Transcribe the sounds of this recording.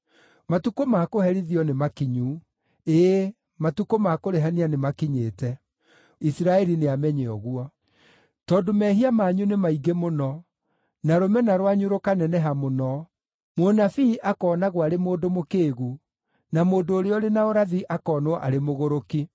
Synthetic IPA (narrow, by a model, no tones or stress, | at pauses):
matukomakohɛɾiðiɔnemakiɲu | e | matukomakoɾeɦanianemakiɲeːtɛ | isiɾaɛɾineamɛɲeɔɣuɔ | tɔːdomɛɦiamaːɲunemaiɡemonɔ | naɾomɛnaɾwaɲuɾokanɛnɛɦamonɔ | monafiʔakɔːnaɣwaɾemoːdomokeːɣu | namoːndoːɾeɔɾenaoɾaðiʔakɔːnoʔa̰ɾemoɣoɾoki